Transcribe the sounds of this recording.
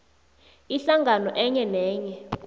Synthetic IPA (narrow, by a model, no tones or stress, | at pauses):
iɬaŋʱanɔʔɛɲɛnɛːɲɛ